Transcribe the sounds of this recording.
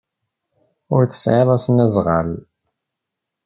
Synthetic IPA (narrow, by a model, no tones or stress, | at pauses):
ʊɾθə̥sʕeðˤasnæzʁa̰l